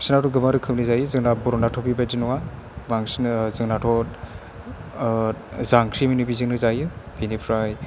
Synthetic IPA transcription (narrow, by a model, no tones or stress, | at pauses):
sinatuɡɯmaɾɯkʰɯmnɯzajɯzɯŋnabuɾɔnatʰɔbibadinuwa | maŋsnzɯŋnatʰɔ | zaŋkʰɾimɯnɯbiziŋnɯzajɯbinipʰɾaj